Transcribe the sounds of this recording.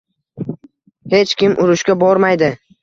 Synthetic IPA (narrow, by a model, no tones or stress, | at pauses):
he̞t͡ʃkʲɪmʔʊɾʊʃkʲabɒɾmajd̪ɪ